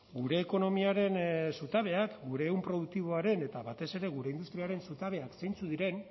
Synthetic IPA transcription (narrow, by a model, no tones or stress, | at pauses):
ɡuɾe̞ːko̞no̞miaɾe̞nsut̪aβ̞e̞akɡuɾe̞ːumpɾo̞ðuk̚t̪iβ̞o̞aɾe̞ne̞t̪aβat̪e̞se̞ɾe̞ɣuɾe̞ind̪ust̪ɾiaɾe̞nsut̪aβ̞e̞akse̞jnt͡suðiɾe̞n